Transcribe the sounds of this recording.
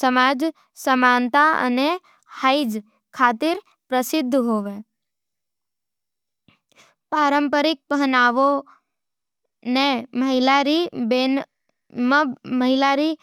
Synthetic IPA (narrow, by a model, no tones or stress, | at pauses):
səmad͡ʒ | səmant̪aə̰ne | haid͡ʒ | kʰaːt̪ɪɾ | pɾəsɪd̪ʱːɦoːʋe | paːɾəmpəɾɪk̚pəɦnaːʋo | neməɦɪlaɾiben | məməɦɪlaɾi